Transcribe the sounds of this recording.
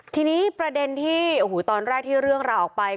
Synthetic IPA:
t̪ʰiː˧niː˦˥pɾa˧de˧nt̪ʰiː˥˩˧huː˩˦t̪ɔː˧nɾɛː˥˩k̚t̪ʰiː˥˩ɾɯ˥˩əŋɾaː˧wʔɔː˨˩k̚pa˧j

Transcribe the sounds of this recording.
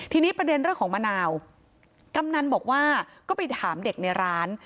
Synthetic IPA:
t̪ʰiː˧niː˦˥pɾa˧de˧nɾɯ˥˩əŋkʰːŋma˧naː˧w | ka˧mna˧nbɔː˨˩k̚waː˥˩kɔː˥˩pa˧jt̪ʰaː˩˦mde˨˩k̚na˧jɾaː˦˥n

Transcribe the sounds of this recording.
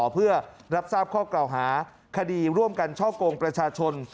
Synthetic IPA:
pʰɯ˥˩ɐɾa˦˥p̚saː˥˩p̚kʰɔː˥˩kla˨˩wɦaː˩˦ | kʰa˧diː˧ɾu˥˩əmka˧nt͡ɕʰɔː˥˩koː˧ŋpɾa˧t͡ɕʰaː˧t͡ɕʰo˧n

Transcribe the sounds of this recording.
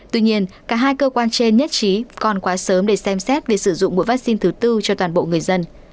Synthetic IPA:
t̪wi˧ɲi˧ənkaː˧˩ɦaː˧jkəː˧kwaː˧nt͡ɕe˧nɲə˦˥t̚t͡ɕi˨˦kɔ˨˩nkwaː˨˦səː˨˦mɗe˧˩sɛ˧msɛ˦˥t̚vi˨˩sɨ˧˩zʊ̰˧˨ŋ͡mmṵ˧˥jvaː˦˥k̚si˧nt̪ʰɨ˨˦t̪ɨ˧t͡ɕɔ˧t̪waː˨˩nɓo̰˧˨ŋɨ˨˩əjzə˧n

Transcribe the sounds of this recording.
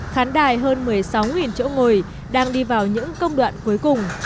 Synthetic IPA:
xaː˨˦nɗaː˧˩jɦəː˧nmɨ˨˩əjsa˨˦wŋi˨˩nt͡ɕḭ˧˥˨ŋo˨˩j | ɗaː˧ŋɗi˧vaː˨˩wɲɨ̰˧˥ŋkə˧wŋ͡mɗwa̰ː˧˨nku˨˦jkʊ˨˩ŋ͡m

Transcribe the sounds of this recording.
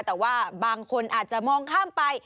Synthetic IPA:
t̪ɛː˨˩waː˥˩baː˧ŋkʰo˧nʔaː˨˩t̪̚t͡ɕa˨˩mɔː˧ŋkʰaː˥˩mpa˧j

